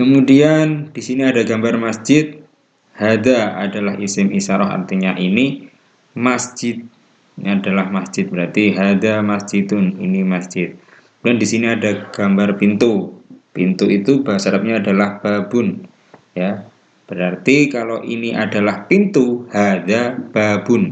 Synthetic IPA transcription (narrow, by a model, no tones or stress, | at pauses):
kəmudiand̥isiniadaɡambarmasd͡ʒɪt̪̚ | had̪aadalahisɪmisaɾɔɦa̰rt̪iɲaʔini | masd͡ʒɪt̪̚ | adalahmasd͡ʒɪt̪̚bəɾart̪iɦad̪amasd͡ʒ̥id̪ʊnḭnimasd͡ʒɪt̪̚ | dandisiniadaɡ̥ambarpint̪upint̪uit̪ubasaɾap̚ɲaːdalahb̥abʊn | ja | b̥əɾart̪ikaloʔiniʔadalahpint̪uhad̪ab̥abʊn